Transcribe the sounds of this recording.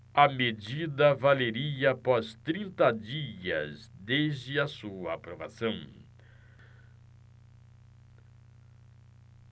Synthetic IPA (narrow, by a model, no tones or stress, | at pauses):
ɐmed͡ʒid̪ɐvaleɾiɐpɔst̪ɾĩnt̪ɐd͡ʒiɐ̰zd̪ezd͡ʒɪɐsuɐːpɾova̰sɐ̃w̃